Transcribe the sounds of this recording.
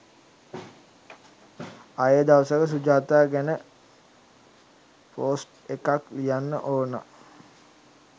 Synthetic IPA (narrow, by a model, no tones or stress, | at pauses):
ajəd̪aʋəsəkəs̬ud͡ʒaːt̪aːɡænə | poːsʈ | ekaklijanːə̰ʔoːna̰